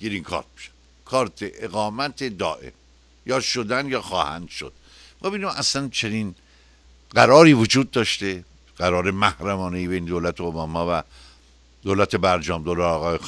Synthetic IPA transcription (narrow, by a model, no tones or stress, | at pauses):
ɡ̥eɾiŋkʰɒ̰ɾt̪̚mi̥ʃe̥ | kʰɒːɾt̪ʰeʔeɣɒːmæt̪ʰed̪ɒːʔḛm | jɒːʃod̪ænjɒːxɒːhæ̰nd̪̥ʃo̰d̪̥ | mɒbinimʔæslænt͡ʃʰeniːn | ɢæɾɒːɾiːvod͡ʒuːd̪̚ːɒːʃt̪e | ɢ̥æɾɒːɾemæhɾæmɒːnejibejned̪oːlæt̪ʰeobɒːmɒːvæ | d̪oːlæt̪ʰebæɾd͡ʒɒːmd̪olæɒɣɒːjex